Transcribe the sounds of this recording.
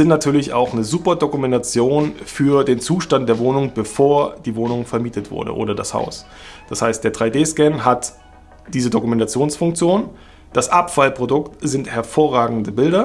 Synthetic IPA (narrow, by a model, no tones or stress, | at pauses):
zɪntnatʰyːɐlɪça̰ʊxnəzuːpɐdokumɛntat͡sjoːnfyːɐdeːnt͡suːʃtantd̥eːɐvoːnʊŋb̥əfoːɐd̥iːvoːnʊŋfɛɐmiːtətv̥ʊ̰ɐdə̰ʔo̰ːɾɐdasha̰ʊs | d̥ashaɪst̚d̥eːɐdʁaɪdeːskɛnɦat | d̥iːzədokumɛntat͡sjoːnsfʊŋk̚t͡sjoːn | d̥asʔapfalpʁ̥odʊktz̥ɪnthɛɐfoːɐʁaːɡŋ̩dəbɪldɐ